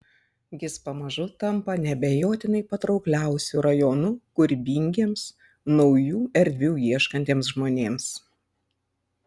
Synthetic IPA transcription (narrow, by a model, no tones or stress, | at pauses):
jʲɪspɐmɐʒʊt̪ɐmpɐnʲɛbʲɛjoːt̪ʲɪnɐɪpɐt̪ɾɒʊklʲæˑʊsʲuɾɐjɔːnʊkʊɾʲbʲiŋʲɡʲeːms | nɒʊjuːɛɾʲd̪ʲʋʲuːjiɛʃkɐnʲt̪ʲeːmsʒmoːnʲeːms